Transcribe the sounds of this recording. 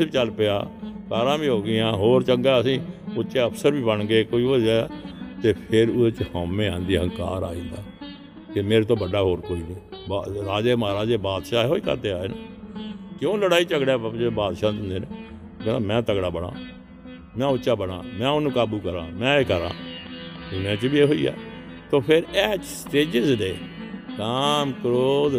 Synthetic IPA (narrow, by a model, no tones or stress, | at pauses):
it͡ʃəlpeja̰ːkaːɾãːbiːɦoːɡɪjãːɦoːɾt͡ʃəŋɡaːəsĩːʊt͡ʃeːəpʰsəɾbiːbəɳɡeːkoːiːod͡ʒɛːt̪eːpʰɪɾʊd̪et͡ʃhɔ̃ːmẽːãːnd̪iːɦə̃ŋka̰ːɾa̰ːĩːd̪aː | kemeːɾt̪õːbəɖaːɦoːɾkoːiːniːbaɾaːd͡ʒeːmaːɾaːd͡ʒeːbaːd̪ʃaːeɦoːiːkə̰ɾt̪eːaːeːnaːkjõːləɽaːiːt͡ʃəɡɽaːebaːd̪ʃãːʊnd̪eːneː | ɡənãːmɛ̃ːt̪əɡɽaːbəɽa̰ː | mɛ̃ːʊʃaːbəɽ̃ã̰ːmɛ̃ːʊnũːkaːbuːkəɾã̰ːmɛ̃ːeːkəɾã̰ː | ʊnẽːt͡ʃbiːeːɦoːḭːa̰ː | t̪õːpʰɪɾɛːt͡ʃsʈeːd͡ʒɪzdeː | kaːmkəɾoː